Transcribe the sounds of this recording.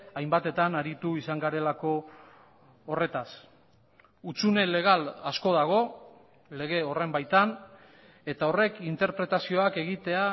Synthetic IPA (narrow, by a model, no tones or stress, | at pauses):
ajmbat̪e̞t̪anaɾit̪uisaŋɡaɾe̞lako̞ | re̞t̪as | ut͡sune̞le̞ɣ̞alasko̞ðaɣ̞o̞ | le̞ɣ̞e̞o̞re̞mbajt̪an | e̞t̪ao̞re̞kint̪e̞ɾpɾe̞t̪asio̞ake̞ɣit̪e̞a